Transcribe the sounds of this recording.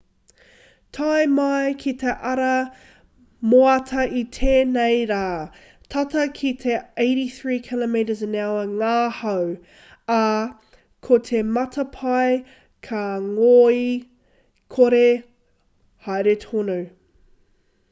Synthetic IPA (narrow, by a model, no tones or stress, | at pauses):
tʰajmɐjkʰit̪ʰeʔɐɾɐ | moɐtʰɐit̪ʰeːnejɾaː | tʰɐtɐkʰit̪ʰeeɪɾiθɹiːkʰɪlomeɾəzɪnawɐŋaːhɐw | ɐ | kʰot̪ʰemɐtʰɐpʰɐj | kʰɐŋoːi | kʰoɾe | hajɾetʰono